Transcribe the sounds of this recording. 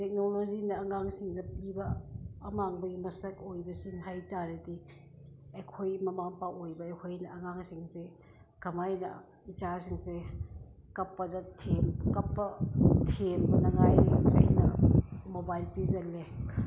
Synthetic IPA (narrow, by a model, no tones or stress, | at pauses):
tek̚nolozinɐːŋaŋsiŋnɐpibɐːmaŋbɐɡimɐsɐk̚ojbɐsunɦajtaɾɐdi | ekʰojmɐmaŋpaʔojbɐekʰojnɐɐŋaŋsiŋse | kɐmajnɐ̰ | it͡ʃasiŋse | kɐpːɐdɐtʰemkɐpːɐtʰemnɐŋajɐ̰jnɐmobajlpizɐlek